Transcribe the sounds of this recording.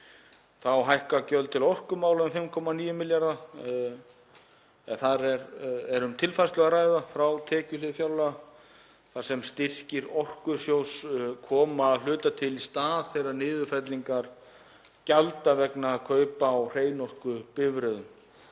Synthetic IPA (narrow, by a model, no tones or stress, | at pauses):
θawɦajhkacœlt̪ʰɪlɔr̥kʏmaːwlaʏmfɪmkʰɔmaniːjʏmɪljaɾða | ɛθaɾɛɾɛɾʏmt̪ʰɪlfast̪lœɣaɾaːjðafɾawt̪ʰɛːcʏlɪfjawla | θasɛmst̪ɪr̥cɪɾɔr̥kʏ̥sjowskʰɔːmaːðl̥ʏːt̪at̪ʰɪlist̪aːðθejɾaɾnɪːðʏfɛt̪liŋkaɾ̥ | calt̪avɛknakʰœːɥpaːwr̥eːjnɔr̥kʏpɪvɾœðʏm